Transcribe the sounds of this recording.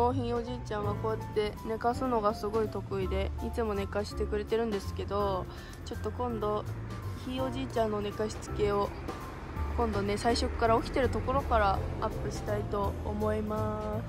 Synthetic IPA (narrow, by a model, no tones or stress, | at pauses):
hoːçĩɰ̃o̞ʑiːt͡ɕãɰ̃βakoːjat̪ːe̞ne̞kasɨno̞ɡasɨɡo̞it̪o̞kɯ̟id̪e̞it͡sɨmo̞ne̞kaɕi̥t̪e̞kɯ̟ɾe̞t̪e̞ɾɯ̟̃nd̪e̞sɨ̥ke̞d̪o̞ | t͡ɕo̞t̪ːo̞kõ̞nd̪o̞ | çio̞ʑiːt͡ɕãnːo̞ne̞kaɕi̥t͡sɨ̥ke̞o̞ | kõ̞nd̪o̞ne̞saiɕo̞kɯ̥kaɾao̞kʲi̥t̪e̞ɾɯ̟t̪o̞ko̞ɾo̞kaɾaapːɯ̟ɕi̥t̪ait̪o̞ːmo̞imasɨ̥